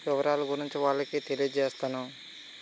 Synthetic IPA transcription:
ʋɪʋɐɾaːluɡuɾiɲt͡ʃiʋaːɭːɐkit̪elijd͡ʒeːst̪aːnu

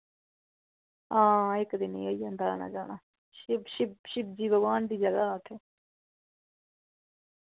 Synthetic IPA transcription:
ãːɪkd̪ɪnḭ̃ːəiːãnd̪aːla̰ːna̰ːd͡ʒaːɳaː | ʃɪbʃɪbʃɪb̚d͡ʒiːbəɡaːnd̪iːd͡ʒjaːd̪aːaːʈ̪ʰeː

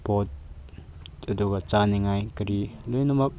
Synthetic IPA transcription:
pɔt̪̚ | ɐdukat͡saniŋajkəɾilɔjnumak̚

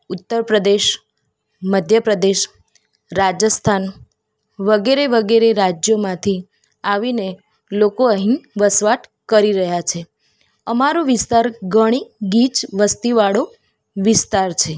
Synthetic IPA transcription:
ut̪ːəɾpɾəd̪eʃ | məd̪ʱjəpɾəd̪eʃ | ɾad͡ʒəst̪ʰan | ʋəɡeɾeʋəɡeɾeɾad͡ʒjomãt̪ʰi | aʋine | lokoəɦĩʋəsʋaʈkəɾiɾəɦjat͡ʃʰe | əmaɾoʋɪst̪aɾɡəɽ̃iɡit͡ʃʋəst̪iʋaɽo | ʋɪst̪aɾt͡ʃʰe

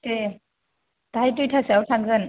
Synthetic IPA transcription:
te | taɦajt̬ujtʰasawtʰaŋzɯn

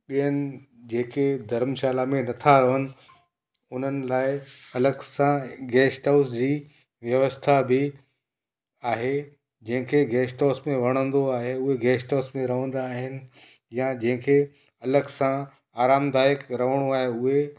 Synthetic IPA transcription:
ɓijənɪ̆ | d͡ʑeːked̪ʱɐɾmʃaːlamẽnɐt̪ʰaɾɐʋənɪ̆ | ʊn̤ənɪ̆laːɪɐləɡsãɡɛːsʈaːʊsd͡ʑiː | ʋjɐʋəst̪ʰabɪ | aːɦe | d͡ʑɐ̃ɦɪ̃kʰeɡɛːsʈaːsmẽʋɐɽ̃ə̃nd̪oaːɦeʊɦeɡɛːsʈaːsmẽɾɐʋə̃nd̪aːɦɪnɪ̆ | jad͡ʑɐ̃ɦɪ̃kʰe | ɐləɡsã | aːɾaːmd̪aːjəkɾɐʋ̤əɽ̃oaːɦeʊɦe

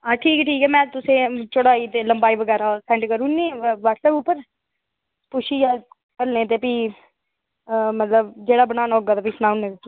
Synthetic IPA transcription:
aːʈʰiːkɛʈʰiːkɛːmɛ̃ːt̪ʊsẽːt͡ʃʊɽaːiːt̪eːləmbaːiʋəɡɛːɾaːsɛ̃ɳʈkəɾũːnẽːʋəːʈsɛːpʊpːəɾ | pʊʃʰiːjaː | kəlnẽːt̪̬eːpiː | mət̪ləbd͡ʒeːɽaːbənaːnaːɦoːɡaːt̪aːpisnaːʊnːẽːt̪et̪

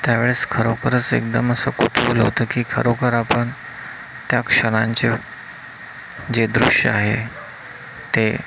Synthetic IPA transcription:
t̪jaʋeɭet͡skʰəɾokəɾət͡sḛk̚d̪əməsəkot̪ʰulə̰ʋt̪əːkiːkʰəɾokəɾapəɳ | t̪jakʂəɽ̃aɲt͡ɕe | d͡ʑed̪ɾṵʂjə̰aɦe | t̪e

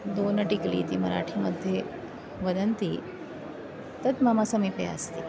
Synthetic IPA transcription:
d̪oːnɐʈiklḭːt̪imɐɾa̰ːʈʰimɐd̪ʱje | ʋɐd̪ɐnt̪i | t̪ɐt̪maːmasɐmɐjpɾɐja̰ːst̪i

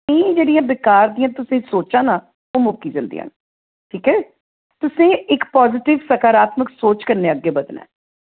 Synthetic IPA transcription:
ẽĩːd͡ʒeːɽijãːbɪkaːɾd̪ijãːt̪ʊsẽːsoːt͡ʃãːnãː | oːmʊːkːiːd͡ʒə̰̃ːnd̪ḭɦã̰ːn | ʈʰiːkɛː | t̪ʊsẽːɪkpɔːzɪʈɪʋsəkaːɾaːt̪məksoːt͡ʃkəɾneːəɡːeːbəd̪nɛ̰ː

